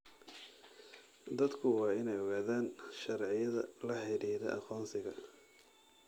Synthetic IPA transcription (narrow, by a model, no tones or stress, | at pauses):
d̪ɐd̪kʰʊwɑːɪnɛjɔɣaːðaːnʃɐɾʕɪjɐðɐlɐħɪɾiːðɛ̰ʔɐqɔːnsɪɣɐ